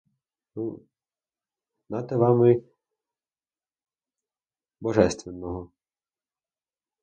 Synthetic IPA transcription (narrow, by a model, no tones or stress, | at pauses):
nu | nɑt̪ɛʋɑmɪ | bɔʒɛst̪ʋenːɔɦɔ